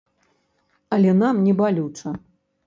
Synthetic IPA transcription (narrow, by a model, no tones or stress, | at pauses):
ɐlʲɛnamnʲɛbalʲut͡ʂɐ